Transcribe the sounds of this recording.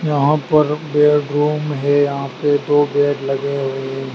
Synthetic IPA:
jɐɦãpɐɾbeːɖɾuːmɦɛjɐɦãped̪oːbɛːʈlɐɡeɦoeɦɛ̃

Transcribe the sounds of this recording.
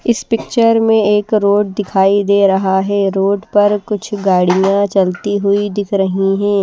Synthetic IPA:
ɪspɪk̚t͡ʃəɾmẽeːkɾoːɖ̚d̪ɪkʰaːid̪eːɾɐɦaɦɛːɾoːɖpɐɾkʊt͡ʃʰɡaːɽijãt͡ʃɐlt̪iɦʊid̪ɪkʰɾɐɦiɦɛ̃ː

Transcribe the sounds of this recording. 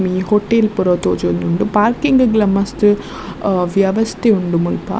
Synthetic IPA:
mihɔʈːeːlpɔɾoːt̪oːd͡ʒɐɐnd̪uɳɖupaːɾkɪŋɡɨɡlɐmɐst̪ɨ | ʋjɐʋɐst̪ʰeuɳɖumʊlpa̰

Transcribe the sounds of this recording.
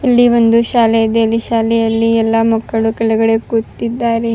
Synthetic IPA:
ilːiʋond̪uʃaːleɐd̪elːiʃaːlɛjɐlːiɛlːamɐkːɐɭukɛlɐɡɐɽekuɾt̪id̪ːaːɾe

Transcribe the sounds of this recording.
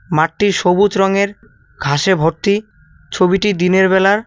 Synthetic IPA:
maʈːiɾʃobut͡ɕɾɔŋeɾ | ɡʱaʃebʱoɾt̪i | t͡ɕʰobiʈid̪ineɾbɛlaɾ

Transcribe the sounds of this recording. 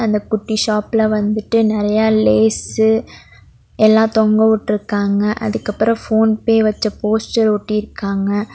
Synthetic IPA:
ɐnd̪ɐkʊʈːiʃaːpɪlɐʋɐnd̪ɯʈːɯnɪɾɐjaːleːsɯ | ɛlːãːt̪ɔŋɡɐʋɯʈːɪɾɯkːaːŋɡɐʔɐ̰ðɯkːɐpːɯɾɐ̃foːnpeːʋɐt͡ʃːɐpoːsʈɐɾʊʈːɪɪɾɯkːaːŋɡɐ

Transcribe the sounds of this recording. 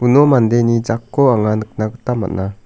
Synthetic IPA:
unɔmand̪ejnid͡ʒakːɔaŋanɯk̚naɡət̪amːa̰ʔ̚na

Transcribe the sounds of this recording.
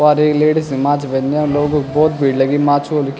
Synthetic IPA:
aːɾeːkleːʈsmãːt͡ʃbɛnd̪ãloːɡbɔːt̪̚bʱiːɽləɡimãːt͡ʃʰolk

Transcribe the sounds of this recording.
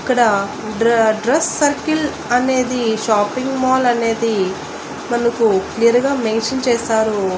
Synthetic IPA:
ikːɐɽɐ | ɖɖɾesːɐɾkil | ɐne̞ːd̪iʃaːpiŋɡmaːlɐne̞ːd̪i | mɐnɐkuklijɐɾɡaːmeːnʃɐnt͡ʃɛːsaːɾu

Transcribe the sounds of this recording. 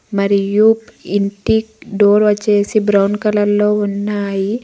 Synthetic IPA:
mɐɾijuːpiɳʈikɖoːɾʋɐt͡ʃːe̞ːsibɾɐwnkɐlɐlːo̞ːunːaːji

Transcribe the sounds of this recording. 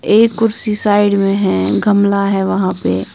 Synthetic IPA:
eːkːʊɾsisaːɪɽmẽɦɛ̃ɡʱɐmlaɦɛʋɐɦãpe

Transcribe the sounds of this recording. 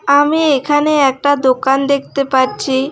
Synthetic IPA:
amiekʰaneɛk̚ʈad̪okand̪ek̚ʰt̪epaɾt͡ɕi

